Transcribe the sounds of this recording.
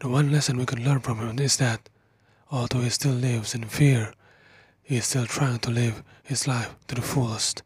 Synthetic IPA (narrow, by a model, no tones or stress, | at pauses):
ðəwʌ̃nlɛsɨ̃nwikɨ̃nlɜ̃˞nfɹʌ̃mhɪ̃mɪzðɨt̚ | ɔlˠdoʊistɪlˠlɪvzɨ̃nfiɹ | hiz̥stɪlˠtʰɹ̥aɪɪ̃ŋtʰəlɪv̥hɪzlaɪftʰɨðəfulˠəst